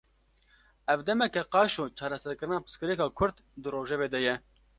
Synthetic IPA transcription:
ɛvd̪ɛmɛkɛqɑːʃoːt͡ʃʰɑːɾɛsɛɾkɨɾɨnɑːpɨ̥skɨɾekɑːkʰʊɾd̪ | d̪ɨroːʒɛveːd̪ɛjɛ

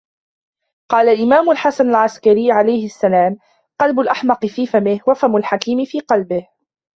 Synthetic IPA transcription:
qɑːlalʔɪmaːmʊlħasanalʕaskaɾɪːʕalajhɪasːalaːm | qɑlbʊlʔaħmɑqɨfiːfamɪhwafamʊlħakiːmɪfiːqɑlbɪh

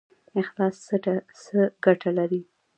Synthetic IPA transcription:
ɪxlɑssəɡaʈʰalaɾi

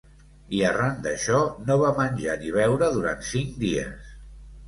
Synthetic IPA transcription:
iərand̪əʃɔnoβamənʲʒaniβ̞ɛwɾəðuɾa̰nt̪siŋd̪iə̰s

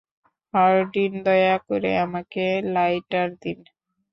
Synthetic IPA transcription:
haɾɖind̪ɔjakoɾḛamakelajʈaɾd̪in

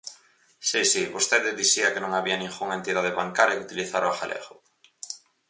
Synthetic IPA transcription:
sisiβost̪eðɪðisiɐkenõŋaβiɐnĩŋxuŋent̪iðaðeβaŋkaɾjɐkut̪iliθaɾoaxalʔḛɣʊ

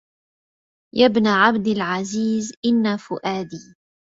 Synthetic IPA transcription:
jabnaʕabd̪ɪlʕaziːzʔɪnːafʊʔaːd̪iː

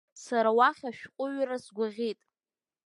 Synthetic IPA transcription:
saɾawaχʲaʃᶣqʷʼʊɥrasɡʷaʁʲitʼ

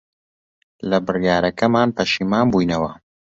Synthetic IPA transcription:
lɐbɨrjaːɾɐkɐmaːnpɐʃiːmaːnbujnɐwɐ

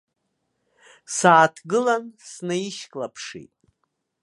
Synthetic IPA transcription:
saːtʰɡɨlansnaiʃkʼlapʰʂḭtʼ

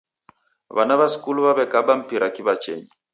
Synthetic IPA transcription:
βa̰naβasi̥kuluβaβɛkabam̩piɾakiβat͡ʃɛ̰ɲi

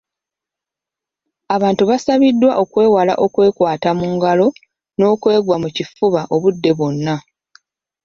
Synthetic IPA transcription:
aβaːntuβasaβidːwaʔo̞kwe̞ːwala̰ʔo̞kwe̞ːkwaːtamuːŋɡalo̞ | no̞ːkwe̞ːɡwamucifuβaʔo̞βudːe̞βo̞nːa

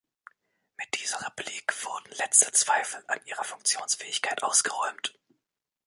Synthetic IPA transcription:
mɪt̚d̥iːzəʁepliːkv̥ʊʁdn̩lɛt͡stə̥t͡sv̥aɪfl̩a̰nʔiːʁɐfʊŋkt͡sjoːnsfɛːɪçkʰaɪtʔaʊsɡ̥əʁɔʏmt

